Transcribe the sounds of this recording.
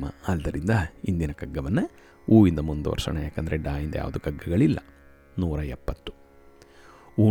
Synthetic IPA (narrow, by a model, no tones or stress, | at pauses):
mɐ̰ɐld̪ɐɾind̪ɐind̪inɐkɐɡːɐʋɐnːɐ | uːʋind̪ɐmund̪uʋɐ̰ɾsɐ̰ɳejaːkɐnd̪ɐɾeɖaːjind̪ɐ̰ja̰ːʋɐd̪ukɐɡːɐɡɐɭilːɐ̰ | nuːɾɐɛpːɐt̪ːu̥ | uː